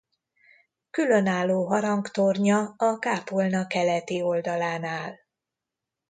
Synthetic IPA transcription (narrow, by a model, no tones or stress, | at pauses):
kylø̞naːlːoːɦɒɾɒŋkt̪orɲɒɒkaːpolnɒkɛlɛt̪io̞ld̪ɒlaːnaːl